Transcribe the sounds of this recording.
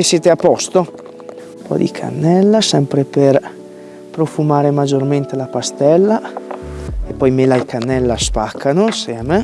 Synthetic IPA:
esjɛːt̪eapːɔst̪o | pʰɔ̰d̪ḭkʰa̰nːɛlːasɛmpɾeper | pɾofumaːɾemad͡ʒːorment̪elapast̪ɛlːa | epːɔjmelaikʰanːɛlːaspakʰːanosɛme

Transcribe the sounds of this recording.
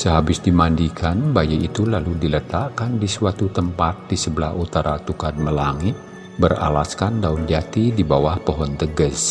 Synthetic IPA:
səɦabɪsdimandikʰanbajiit̪ulaludilət̪aʔkandisuat̪ut̪əmpat̪̚disəbəlahut̪aɾat̪ukad̚məlaŋɪt̪̚ | bəra̰laskandaund͡ʒat̪idibawahpɔɦɔnt̪əɡəs

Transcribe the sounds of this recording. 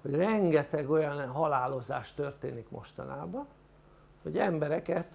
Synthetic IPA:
ho̞ɟrɛŋɡɛt̪ɛɡo̞jɒnɦɒlaːlo̞za̰ːʃt̪ørt̪eːnikmo̞̰ʃt̪ɒ̰na̰ːbɒ | ho̞ɟɛmbɛɾɛkɛt̪

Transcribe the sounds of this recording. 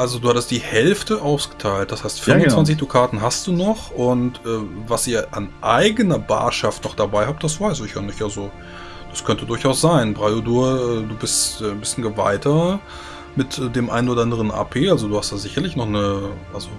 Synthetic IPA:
ʔalzoduːhatəstd̥iːhɛlftəʔaʊsɡ̥ə̥tʰaɪlt̚d̥ashaɪstfɪɐvʊnnt͡svvant͡s̬ɪçd̥ukʰaːtn̩ɦast̚d̥uːnɔχʔʊntʔɛːvasiːɐʔa̰nʔaɪɡənɐba̰ːɐʃaftnɔχ̚d̥abaɪhaːp̚t̚d̥asv̥aɪsɪçjanɪçtʔazo | d̥askʰœntədʊɐçʔaʊsz̥aɪnbʁaoduːɐʔɛːduːbɪstɛːbɪstn̩ɡəva̰ɪtʰɐ | mɪtːdeːmʔa̰ɪnoːɾɐʔandəʁənʔa̰ːpʰeːalzoduːhast̚d̥aːzɪçɐlɪçnɔχnəʔalzo

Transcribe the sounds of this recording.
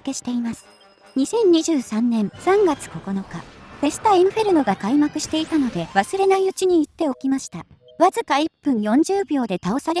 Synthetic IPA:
ke̞ɕi̥t̪e̞imasɨ̥ | ɲ̟isẽ̞ɲ̟ːiʑɨːsãnnẽ̞ɰ̃sãŋɡat͡sɨ̥ko̞ko̞no̞kaɸe̞sɨ̥t̪aẽɰ̃ɯ̟ɸe̞ɾɯ̟no̞ɡakaimakɯ̟ɕi̥t̪e̞it̪ano̞d̪e̞βasɨɾe̞naiɯ̟t͡ɕiɲ̟iːt̪ːe̞o̞kʲimaɕi̥t̪a | βazɨkaipːɯ̟̃ɰ̃jõ̞ɲ̟d͡ʑɨːbʲo̞ːd̪e̞t̪ao̞saɾe

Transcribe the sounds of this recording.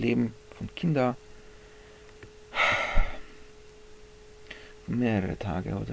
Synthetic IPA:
leːbm̩fɔnkʰɪnd̪ɐ | fomeːɾəɾə̰t̪ʰɑːɡə̰o̰ːd̪ə

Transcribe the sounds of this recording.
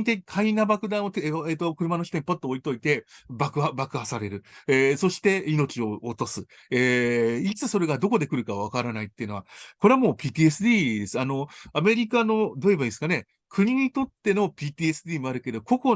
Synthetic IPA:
t̪ekʰainabakɯ̟d̪ãɰ̃ot̪eeːt̪ːokɯ̟ɾɯ̟mano̞çi̥t̪o̞ɲ̟ipot̪ːooit̪o̞it̪e̞bakɯ̟abakɯɦasaɾe̞ɾɯ̟eso̞ɕi̥t̪e̞ino̞t͡ɕio̞ːt̪o̞sɨ | eit͡sɨso̞ɾe̞ɡad̪o̞ko̞d̪e̞kɯ̟ɾɯ̟kaβ̞akaɾanait̪ːe̞iɯ̟no̞βakoɾe̞amo̞ːpʲiːt̪ʲiːe̞sɨd̪ʲiːd̪e̞sɨanoame̞ɾʲikano̞d̪o̞ebaĩsɨ̥kane̞ | kʰɯ̟ɲ̟iɲ̟it̪o̞t̪ːe̞no̞pʲiːt̪iːesɨd̪ʲiːmo̞aɾɯ̟ke̞d̪o̞ko̞ko̞

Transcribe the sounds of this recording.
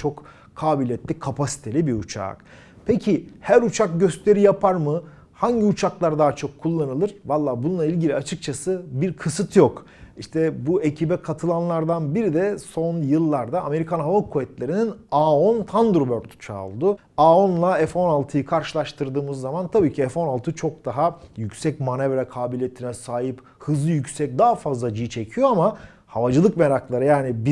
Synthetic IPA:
t͡ʃʰo̞k | kʰaːbilʲɛt̪lʲikʰapʰasi̥t̪ʰe̞lʲibiut͡ʃʰa̰ːk | pʰecʰihæɾut͡ʃʰak̚ɟø̞st̪ʰe̞ɾijapʰaɾmɯ | haɲɟiut͡ʃʰaklˠaɾd̪aɦat͡ʃʰo̞kʰːulˠːanɯlˠɯɾ̥valˠːaːbununˠailʲɟilʲiat͡ʃʰɯk̚t͡ʃʰasɯbiɾkʰɯsɯt̪ʰjok | iʃt̪ʰɛbue̞cʰibɛkʰat̪ʰɯlˠanlˠaɾd̪anbiɾid̪ɛso̞njɯlˠːaɾd̪aːme̞ɾikʰanɦavakʰuvɛt̪lʲe̞ɾininaːont̪ʰand̪ɾbøɾt̪ʰy̥t͡ʃʰa̰ːlˠd̪ʊ | aːo̞nlˠaɛfo̞nalˠt̪ʰɯjɯkʰaɾʃɯlˠaʃt̪ʰɯɾd̪ɯːmɯzːamant̪ʰabiːcʰiɛfo̞nalˠt̪ʰɯt͡ʃʰo̞k̚d̪̥aɦajycsɛc̚manevɾɛkʰaːbilʲejet̪ʰinɛsaːɦɯp | hɯzlˠɯjycsɛc̚d̪aafazlˠad͡ʒit͡ʃʰe̞cʰijo̞ama | havad͡ʒɯlˠɯkme̞ɾaklˠaɾɯjaːnibi

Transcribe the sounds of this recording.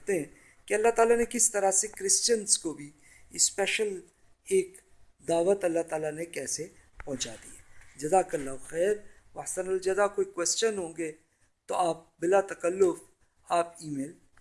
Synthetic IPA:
t̪eɦɛ̃ | kiɐlːaɦt̪aːlanekɪst̪ɐɾasekɾɪst͡ʃənzkobʱi | ɪspɛːʃəl | eːk | d̪aːʋət̪ɐlːaɦt̪aːlanekɛːsepɐ̃ɦt͡ʃaːd̪ḭɛd͡ʒɐzakɐɾlaxɛːɾ | ʋɐħsənəld͡ʒɐd̪akoːikwɛːst͡ʃənɦõːɡe | t̪oʔaːp̚bɪlat̪ɐkəlːʊf | aːpiːmeːl

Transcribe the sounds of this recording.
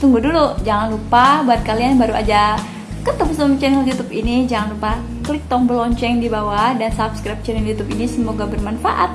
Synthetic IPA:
t̪uŋɡudulud͡ʒaŋanlupabaat̪̚kalianbaɾua̰d͡ʒa | kət̪əmsəamt͡ʃɛnɛljut̪upinid͡ʒaŋanlupa | klɪk̚t̪ɔŋbərlɔɲt͡ʃɛŋdibawahdansapskɾɛp̚t͡ʃɛnɛljut̪upinisəmoɡabərmanfaʔa̰t̪̚

